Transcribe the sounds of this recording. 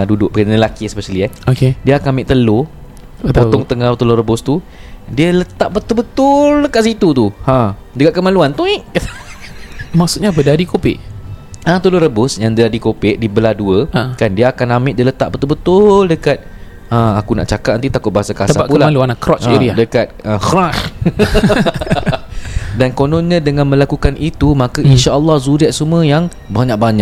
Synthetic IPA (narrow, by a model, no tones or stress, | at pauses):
dudʊʔ̚pəkənnəlakisəpəsəliaokediəakanamɪʔt̪əlo | əot̪ɔŋt̪əŋahbət̪əloɾəbʊst̪u | diələt̪aʔbət̪ʊlbət̪ʊldəkat̪̚sit̪ut̪uhã | dəkaʔ̪̚kəmãluant̪uiʔ | maksut̪̚ɲabədadikopɪ̰ʔãt̪əloɾəbʊsjaŋdədadikopɪʔ̚dibəladuəkandiaːkanamɪʔ̚dələt̪a̰ʔ̚bət̪ʊlbət̪ʊldəkat̪̚ | əmakuna̰ʔt͡ʃakat̪̚nant̪it̪akʊt̪̚baɦasakaaəsabapuəlamaluanakɾɔt͡ʃeɾiadəkat̪̚əxɾax | dankonɔnɲãdəŋãnmə̃lakukanʔit̪umakəinʃaʔəlːɔhzuɾiaʔsuməjaŋ | baɲak̚baɲaʔ̚